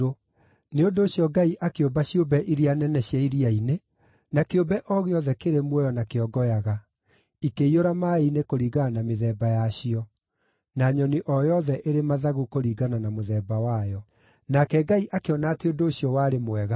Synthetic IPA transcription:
o | neondoːɕjɔɡaiʔakeobaɕiobɛʔiɾianɛnɛɕjɛiɾiaine | nakeobɛʔɔɣeɔðɛkeɾemwɛjɔnakeɔɡɔjaɣa | ikeioɾamaenekoɾiːɣanameðɛːbajaɕiɔ | naɲɔniʔɔjɔðɛʔeɾemaðaɣukoɾiːɣananamoðɛːbawajɔ | nakɛɡaiʔakeɔnaːteondoːɕiɔwaɾemwɛɣa

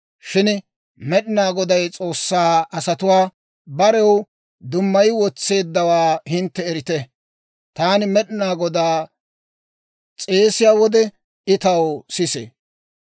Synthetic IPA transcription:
ʃɪn | mɛɗɪnaːɡɔd̪ɐjt͡sʼo̞ːsːaːɐsɐt̪ʊwaː | bɐɾɛw | d̪ʊmːɐjwɔt͡sːe̞ːd̪ːɐwaːhɪnt̪ːɛːɾɪt̪ɛ | t̪aːnɪmɛɗɪnaːɡɔd̪aː | t͡sʼe̞ːsɪjaːwɔd̪ɛ | ɪt̪ɐwsɪsḛ

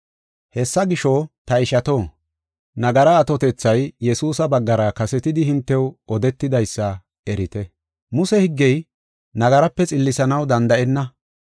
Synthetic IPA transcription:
hɛsːɐɡɪʃɔt̪ɐɪʃɐt̪oː | nɐɡɐɾɐːt̪ɔt̪ɛt͡sːɐjjɛsuːsɐbɐɡːɐɾɐkɐsɛt̪ɪd̪ɪhɪnt̪ːɛwɔd̪ɛt̪ːɪd̪ɐjsːɐ | ɛɾɪt̪ɛ | mʊsɛhɪɡːɛj | nɐɡɐɾɐpːɛt͡sʼɪlːɪsɐnɐwd̪ɐnd̪ɐʔɛnːɐ

